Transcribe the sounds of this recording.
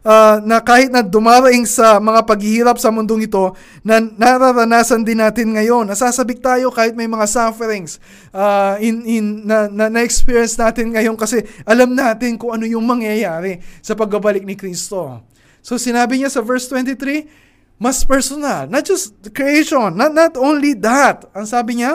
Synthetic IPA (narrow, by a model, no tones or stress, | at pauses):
ʔanɐkaːhɪt̪̚nɐd̪ʊmaːɾɐʔɪŋsɐmɐŋapɐɡ̚hɪhiːɾɐp̚sɐmʊnd̪o̞ŋɪt̪o̞ | nɐnɐɾaɾɐnaːsɐnd̪ɪnːaːt̪ɪnŋɐjo̞nːɐsaːsɐbɪk̚t̪aːjo̞kaːhɪt̪̚mɐjmɐŋasafɛɾɪŋs | ʔaʔɪnɪnːɐnɐnɐʔɛkspiɹjɛnsnaːt̪ɪnŋɐjo̞nkɐsɛʔɐlamnaːt̪ɪnkʊŋʔɐno̞jʊŋmɐŋjajaːɾɪsɐpɐɡ̚bɐbɐlɪk̚nɪkɾist̪o̞ | so̞sɪnaːbɪɲasɐvɛɹst̪wɛnt̪ɪt̪ɾi | mɐspɛɹsonɐlnɐt̪̚d͡ʒɐst̪̚kɾiejʃonːɐnɐt̪ʔonlid̪ɐt̪ɐŋsaːbɪɲa